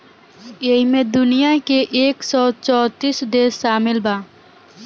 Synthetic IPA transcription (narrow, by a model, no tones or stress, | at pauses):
eɦimẽd̪ʊnɪjakeʔeːksɔt͡ʃɔːt̪iːsd̪eːsːaːmɪlbaː